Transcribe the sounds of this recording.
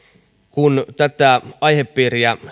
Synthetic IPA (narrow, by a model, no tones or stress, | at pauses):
kunt̪æt̪æʔɑiheppiːriæ